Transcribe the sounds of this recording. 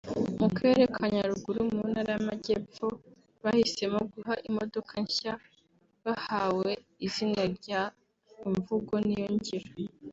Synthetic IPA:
muke̞ɾekʰaɲaɾuɡuɾumunaɾajamaɟepo | βahise̞moɡuɦaʔimo̞do̞kʰaɲça | βahawe̞ | izinaɾɟa | iɱvuɡo̞nijoɲɟiɾo

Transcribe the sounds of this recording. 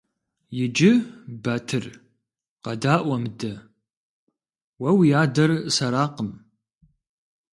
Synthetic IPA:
jɪd͡ʒɪbɐtʰɨr | qɐdaːʔʷɐmdɐ | wɐwijaːdɐrsɐɾaːqəm

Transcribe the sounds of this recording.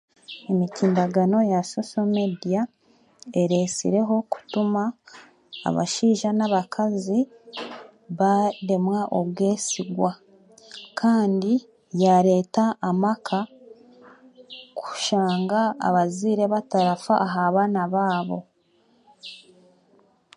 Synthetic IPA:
emiciːndaɡano̞jaso̞so̞medija | e̞ɾe̞sḭɾe̞ɦo̞ku̥tuma̰ː | βa̰ʃiːʒanaβakʰazi | βaɾe̞mwaʔo̞βwe̞ːsiɡwa | kʰaːndi | jaɾe̞ːtaʔːmakʰa | ku̥ʃaːŋɡa̰ːβaziːɾeβataɾafaaɦaβaːnaβaːβo̞̰

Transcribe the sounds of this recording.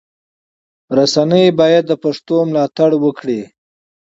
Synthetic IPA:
ɾasanəjbɑjad̪ːəpaʂt̪omlɑt̪aɽwəkɽi

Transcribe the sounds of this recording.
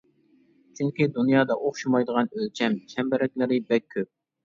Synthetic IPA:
t͡ʃʰyŋkʲid̪unjɑːd̪ɑʔoχʃumɑjd̪əʁɑnølt͡ʃʰɛmt͡ʃʰɛmbɛɾɛk̚ʲlɪɾɪbɛk̚ʲʰːøp̚

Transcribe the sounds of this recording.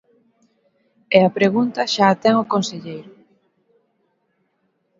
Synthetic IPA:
ɛapɾeɣunt̪ɐʃaːt̪ɛŋʊkonseʎejɾʊ

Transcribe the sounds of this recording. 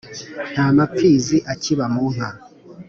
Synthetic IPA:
n̥haːmapiːziʔaciβamun̥ha

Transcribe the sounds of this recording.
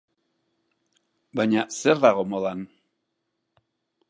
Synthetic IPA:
bajɲaseɾðaɣo̞moðan

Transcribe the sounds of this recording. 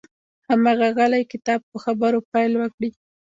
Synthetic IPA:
hamɑɣaɣalajkɪt̪ɑb̚pəxabəɾopajlwəkɽi

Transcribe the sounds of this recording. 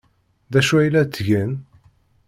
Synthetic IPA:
ðæʃuæjlæt͡s̪ːʝən

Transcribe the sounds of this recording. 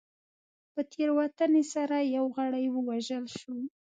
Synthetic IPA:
pət̪ʰeɾwat̪anesaɾajawɣaɽajwəwaʒəlʃo

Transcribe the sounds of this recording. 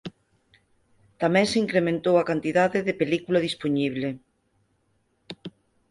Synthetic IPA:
t̪amɛ̃ŋseiŋkɾemẽnt̪owakant̪iðaðeðepelikulaðispoɲiβ̞le

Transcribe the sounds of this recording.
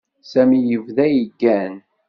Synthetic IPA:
sæmijəvðæjəɡːæn

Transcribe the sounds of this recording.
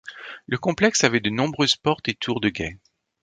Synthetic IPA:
ləkɔ̃plɛksavɛd̪ənɔ̃bʁøzpɔʁt̪et̪ʰuʁd̪əɡʲɛ

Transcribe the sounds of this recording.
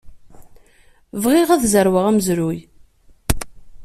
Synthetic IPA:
vʁiʁæðzəɾwəʁæməzɾuj

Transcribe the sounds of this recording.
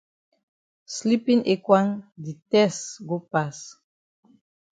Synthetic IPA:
slipĩŋekwãŋd̪itɛsɡopas

